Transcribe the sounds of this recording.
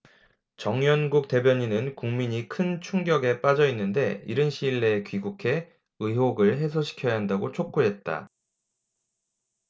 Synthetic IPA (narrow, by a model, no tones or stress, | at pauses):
t͡ɕʌŋjʌnɡuk̚t͈e̞bjʌɲinɯnkuŋmiɲikʰɯnt͡ɕʰuŋɡjʌɡe̞p͈ad͡ʑʌinːɯnde̞̰iɾɯnɕʰiːɭːe̞kɥiɡukʰe̞ | ɯɦoɡɯɭɦe̞s̬ʰʌɕʰi̥kʰjʌjaɦandaɡot͡ɕʰok͈oɦe̞t̚t͈a̰